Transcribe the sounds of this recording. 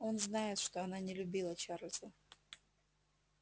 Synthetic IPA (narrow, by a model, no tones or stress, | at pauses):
o̞nznajɪt̪ʂt̪oɐnanʲɪlʲʊbʲilˠət͡ɕaɾlʲsə